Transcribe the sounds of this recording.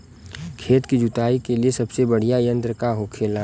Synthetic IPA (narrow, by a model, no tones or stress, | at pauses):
kʰeːt̪kid͡ʒʊt̪aːikeliesɐbsebɐɽ̤ijajə̃nt̪ɾəkaɦoːkʰeːla